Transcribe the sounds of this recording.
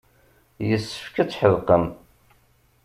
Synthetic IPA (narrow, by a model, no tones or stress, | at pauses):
jəsːə̥fkæt͡sːħəðqəm